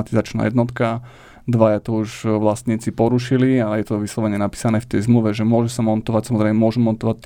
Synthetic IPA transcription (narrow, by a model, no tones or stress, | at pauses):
t̪izat͡ʃna̰jɛd̪nɔt̪ka | d̪ʋajat̪ɔuʒʋlast̪ɲiːt͡sipɔɾuʃilialɛjɛt̪ɔʋislɔʋɛɲɪɛnapi̥ːsanɛːft̪ɛjzmluʋɛʒɛmʊɔʒɛsamɔnt̪ɔʋacsamɔzɾɛɪmɛmʊɔʒumɔnt̪ɔʋac̚t̪